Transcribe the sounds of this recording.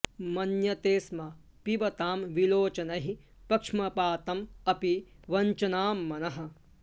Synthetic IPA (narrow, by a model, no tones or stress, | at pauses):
mɐnjɐt̪eːsmɐ | piʋɐt̪aːmʋiloːt͡ʃɐnɐɦi | pɐkʂmɐpaːt̪ɐmɐpiʋɐɲt͡ʃɐnaːmːɐnɐɦɐ̆